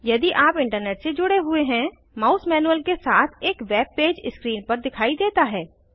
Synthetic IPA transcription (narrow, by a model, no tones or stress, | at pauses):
jɐd̪iʔaːpɪ̃ɳʈəɾneːʈsed͡ʒʊɽeɦʊeɦɛ̃ | maːʊsmɛːnuəlkesaːt̪ʰeːkʋɛːb̚peːd͡ʒɪskɾiːnpɐɾd̪ɪkʰaːid̪eːt̪aɦɛː